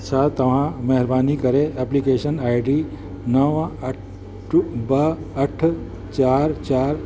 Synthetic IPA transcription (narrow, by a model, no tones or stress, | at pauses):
t͡ʃʰaːt̪ːɐʋ̤ãmɐɦɪɾbaːnikɐɾeɛplikeːʃənaːjɖiː | nɐʋ | bəəʈʰ | t͡ʃaːɾt͡ʃaːɾ